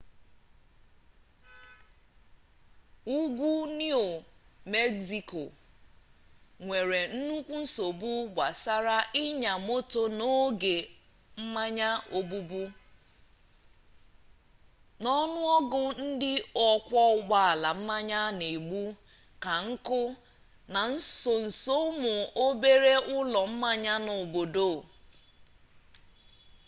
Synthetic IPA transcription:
u˦ɡʷu˦ni˦o˨me˦ɡsi˨ko˨ | ŋʷe˨ɾe˨n̩˦nu˦kʷu˦n̩˦so˨bu˦ɡʷa˨sa˦ɾa˦ʔɪ˦ɲa˨mo˦to˦no˦ɡe˨ | m̩˦ma˦ɲa˦o˦bu˦bu˦ | nɔ˦nʊ˦ɔ˦ɡʊ˨n̩˦dɪ˦ɔ˨kʷɔ˦ʊ˨˦ɡ͡ba˦a˨la˨m̩˦ma˦ɲa˦ne˨ɡ͡bu˦ | ka˨ŋ̩˦kʊ˦ | na˨n̩˦so˨n̩˨so˦mʊ˨o˦be˦ɾe˦ʊ˦lɔ˨m̩˦ma˦ɲa˦no˨bo˨do˦˨

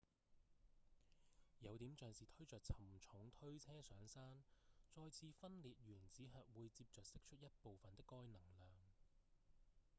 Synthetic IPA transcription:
jɐ˨˧wt̪iː˨˥mt͡ʃœː˨ŋsiː˨t̪ʰɵ˥ɥt͡sœː˨k̚t͡sʰɐ˨˩mt͡sʰʊ˨˥ŋt̪ʰɵ˥ɥt͡sʰɛː˥sœː˨˥ŋsaː˥nt͡sɔː˧jt͡sʰiː˨˧fɐ˥nliː˨t̚ɥyː˨˩nt͡siː˨˥ɦœː˨t̚wuː˨˧jt͡siː˧p̚t͡sœː˨k̚sɪ˥k̚t͡ʃʰɵ˥t̚jɐ˥t̚po˨wfɐ˨nt̪ɪ˥kːɔː˥jnɐ˨˩ŋlœː˨ŋ

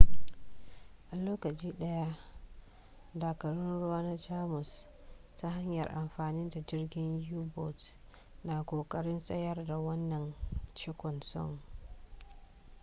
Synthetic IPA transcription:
ʔa˨loː˦kɐ˨t͡ʃʼiː˦ɗɐ˦ja˦ | daː˨kɐ˨ɽʊ˦nɽʊ˦waː˦na˦d͡ʒaː˦mʊ˨s | ta˦ɦa˦ɲjɐ˨rʔa˨mɸaː˨nɪ˦nda˨d͡ʒɪ˦rɡʲɪ˦ɲjuː˦bɔ˨t | naː˨kʷʼoː˨kʼɐ˦ɽɪ˦nsʼɐ˦jɐ˦rda˨wɐ˦nːɐ˨nt͡ʃɪ˦kʷɔ˨nsɔ̰˦ŋ

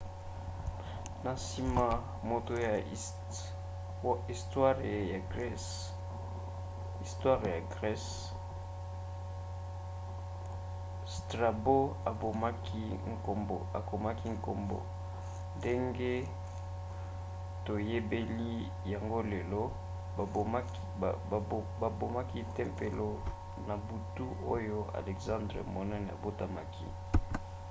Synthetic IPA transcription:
na˨si˦ma˦ | mo˨to˦ja˨˦ | i˨stwa˦ʁe˨ja˨ɡ | i˨stwa˦ʁja˨ɡʁɛ˦s | stʁa˨bo˦a˨bo˨ma˦ki˦ŋ˨ko˨mbo˨a̰˨ko˨ma˦ki˦ŋ˨ko̰˨mbo̰˨ | nde˦ŋɡe˦ | to˨je˦be˦li˦ | ja˨ŋɡo˦le˨lo˦˨˦ | ba˨bo˨ma˦ki˦tɛ˦mpe˨lo˦ | na˨bu˨tu˦o˦jo˦a̰˨lɛ˨kzã˦ndʁe˨mo˨nɛ˦n˨a̰˨bo˦ta˦ma̰˨kʰḭ˦

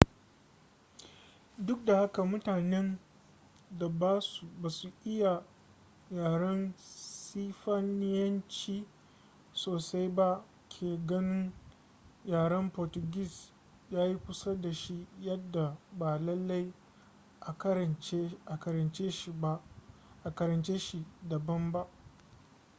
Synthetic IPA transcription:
dʊ˦k̚da˨ha˦ka˨mʊ˦taː˨nɛ˦n | da˨baː˦su˨baː˨su˨ʔɪ˦ja˨ | jaː˨ɽɐ˦nsiː˦ɸa˦nɪ˦jɐ˦nt͡ʃiː˦ | soː˨sa˦jba˦ | kʲʰeː˨ɡɐ˦nɪ˦n | jaː˨ɽɐ˦mpɔ˨tʊ˨ɡʲi˦s | jaː˦ji˦kʷʊ˦sa˦da˨ʃi˦jɐ˦dːa˨ba˨lɐ˦lːa˦j | ʔa˨ke˦a˨kɐ˨ɾɐ˨nt͡ʃeː˦ʃi˦˨ba˦ | ʔa˨kɐ˨ɾɐ˨nt͡ʃeː˦ʃi˦dɐ˨bɐ˦mba˦ʔ

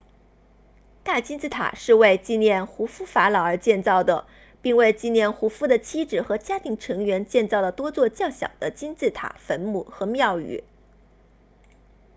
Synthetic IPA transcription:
t̪a˥˩t͡ɕi˥nt͡sɹ̩˥˩t̪ʰa̰˨˩ʂɻ̩˥˧we˥˧ɪt͡ɕi˥˧njɛ˥˩nxu˧˥fu˥fa˧˥lɑ˨˩ʊə˞˧˥t͡ɕjɛ˥˧nt͡sɑ˥˩ʊd̪ə˩ | pi˥˧ŋwe˥˧ɪt͡ɕi˥˧njɛ˥˩nxu˧˥fu˥d̪ə˨t͡ɕʰi˥ʈ͡ʂɻ̩˨˩xɤ˧˥t͡ɕja˥t̪ʰi˧˥ŋʈ͡ʂʰɤ˧˥ŋɥɛ˧˥nt͡ɕjɛ˥˧nt͡sɑ˥˩ʊd̪ə˩t̪wɔ˥t͡swɔ˥˧t͡ɕjɑ˥˩ŋɕjɑ̰˨˩ŋd̪ə˦t͡ɕi˥nt͡sɹ̩˥˩t̪ʰa̰˨˩˦fə˧˥nmu˥˩˦xɤ˧˥mjɑ˥˩ʊy̰˨˩˦

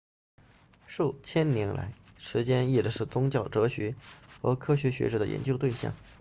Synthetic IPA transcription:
ʂu˥˩t͡ɕʰjɛ˥nnjɛ˧˥nla̰˧˥ɪʂɻ̩˧˥t͡ɕjɛ˥ni˥˩ʈ͡ʂə˩ʂɻ̩˥˩t̪ʊ˥ŋt͡ɕjɑ˥˩ʊʈ͡ʂɤ˧˥ɕɥɛ˧˥xɤ̰˧˥kʰɤ˥ɕ̬ɥɛ˧˥ɕɥɛ̰˧˥ʈ͡ʂɤ˧˥d̪ə̰˧˩jɛ̰˧˥nt͡ɕjo˥˧ʊt̪we˥˧ɪɕjɑ̰˥˩ŋ

